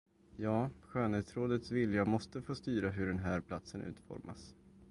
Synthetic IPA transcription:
jɑːɧøːnheːt̪sɾoːd̪ət̪svɪljamɔst̪əfoːst̪yːɾaɦɵɖɛnɦæːɾpʰlat̪sənʔʉ̟̰ːt̪fɔ̰ɾma̰s

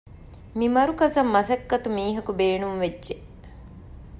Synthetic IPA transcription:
mimɐɾukɐsɐmːɐsɐkːɐt̪umiːɦɐkubeːnuŋʋedːʒe

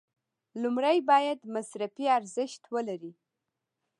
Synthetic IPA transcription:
lʊmɾajbɑjad̪masɾafiaɾzɪʃt̪wəlaɾi

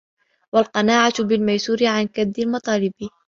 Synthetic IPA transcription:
walqɑnaːʕat̪bɪlmajsuːɾɪʕankad̪ːalmɑt̪ˤɑːlɪbɪ

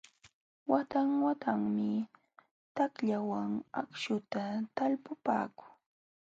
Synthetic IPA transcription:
wat̪aŋwat̪aŋmɪ | t̪akʎawaŋa̰kʃʊt̪at̪alpʊpa̰ːkʊ̥ŋ

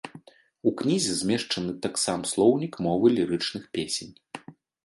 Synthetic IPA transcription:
uknʲizʲɛzʲmʲɛʂt͡ʂɐnɨt̪aksamslˠɔwnʲikmɔvɨlʲiɾɨt͡ʂnɨxpʲesʲenʲ

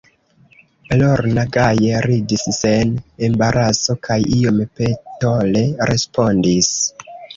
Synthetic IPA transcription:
loɾnaɡajeɾidissenembaɾʔaso̞kʰajiompeto̞le̞ɾʔe̞spo̞ndis

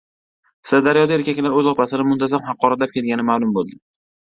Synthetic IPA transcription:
sɪd̪aɾjɒd̪aeɾkʲakʲlaɾɵzɒpasɪnɪmʊnt̪ʰazamχɑqːɒɾat̪lap̚kʲʰelɡʲanɪmaːlˠʊmbolˠd̪ɪ

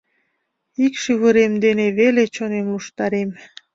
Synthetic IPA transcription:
ikʃyβəɾemd̪eneβelet͡ɕonemluʃt̪ɑɾem

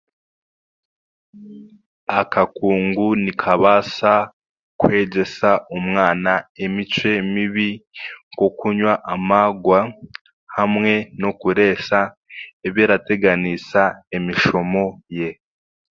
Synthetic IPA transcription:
akakuːŋɡunikʰaβasa | kwe̞ːɟe̞saumŋaːnaemit͡ʃwe̞miβiŋko̞kuɲwaʔamaɡwa | hamŋe̞no̞kuɾe̞ːsa | eβjeːɾate̞ɡanisaemiʃo̞mo̞je̞

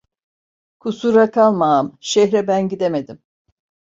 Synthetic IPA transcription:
kʰusuɾakʰalˠmamʃɛɦɾɛbænɟid̪eme̞d̪im

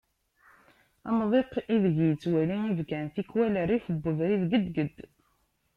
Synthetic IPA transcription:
ɑ̰mðˤeqiðəʝjət͡sːwæliivɡænθikwælərifəbːəðɾiðɡəd̪ɡəd̪ː

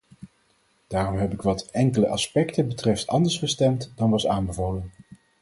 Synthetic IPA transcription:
d̥aːrɔmɦɛpɪkʋɑtɛŋkələʔɑspɛktəbətrɛftɑ̰ndəɹsχəstɛmtdɑnʋɑsaːnbəvolən

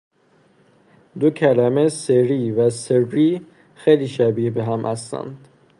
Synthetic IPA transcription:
d̪ocʰælæmeseɾiːvæseɾːiː | xejliːʃæbibeɦæmʔæ̰st̪æ̰nd̪̥

